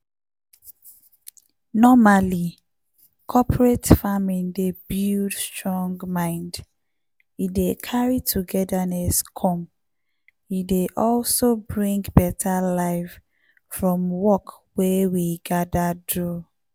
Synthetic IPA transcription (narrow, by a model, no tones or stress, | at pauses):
nɔmali | kʰɔpʰɹetfamĩndebildstɹɔ̃ŋɡmãɪ̃nd | idekʰaɹitʰuɡɛdaneskʰɔ̃m | ideʔɔlsobɹĩŋɡbɛtʰalaɪf | fɹɔ̃mwɔk | wewiɡadadɹu